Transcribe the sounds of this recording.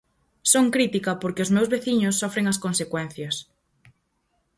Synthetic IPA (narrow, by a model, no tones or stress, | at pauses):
soŋkɾit̪ikɐpoɾkeʊzmewzβeθiɲʊsːɔfɾeŋɐskonsekwɛn̟θjɐs